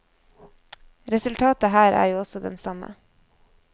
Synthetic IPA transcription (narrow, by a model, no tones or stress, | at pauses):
ɾɛsʉlt̪ʰɑːt̪əɦæːɾʔæ̰ːɾjuːɔsɔd̪ɛ̰nsɑmə̰